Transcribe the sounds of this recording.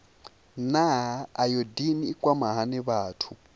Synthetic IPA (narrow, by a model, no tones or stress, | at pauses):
naɦːjodiniːkʼwamaɦanɪβaːtʰu